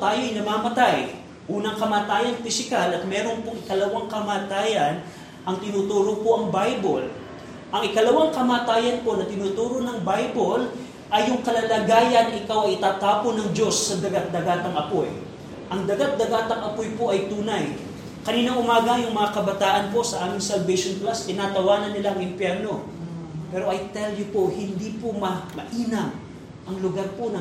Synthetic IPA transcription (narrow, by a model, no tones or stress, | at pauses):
t̪aːjoʔɐjnɐmaːmɐt̪aj | ʔuːnɐŋkɐmaːt̪aːjɐnfɪsɪkalɐt̪̚mɛːɾo̞npoŋɪkɐlɐwaŋkɐmaːt̪aːjɐn | ʔɐŋt̪ɪnuːt̪uːɾopoʔɐŋbajbol | ʔɐŋɪkɐlɐwaŋkɐmaːt̪aːjɐnpo̞nɐt̪ɪnuːt̪uːɾo̞nɐŋbajbol | ʔɐjːʊŋkɐlɐlɐɡaːjɐnɐʔɪkawɐjɪt̪aːt̪aːponɐŋd͡ʒo̞sːɐd̪ɐɡat̪̚d̪ɐɡaːt̪ɐŋʔɐpoj | ʔɐŋd̪ɐɡat̪̚d̪ɐɡaːt̪ɐŋʔɐpojpo̞ʔɐjt̪uːnɐj | kɐniːnɐŋʊmaːɡɐjʊŋmɐŋakɐbɐt̪aːʔɐnpo̞ʔsɐʔaːmɪŋsɐlvɛjʃonplast̪ɪnaːt̪ɐwaːnɐnːɪlaɐŋɪmpjɛɾno̞ | pɛɾo̞ʔɐjt̪ɛljʊpohɪnd̪ipomɐmɐʔiːnɐm | ʔɐŋlʊɡaɾponɐ